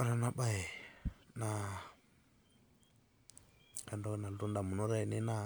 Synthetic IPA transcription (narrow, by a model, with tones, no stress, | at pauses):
a˦ɾa˦˨na˨ba˦˨i˨na˨ | ka˨ndo˦kna˨lu˦nda˨mu˨nu˦ɾa˦i˨ni˦na˦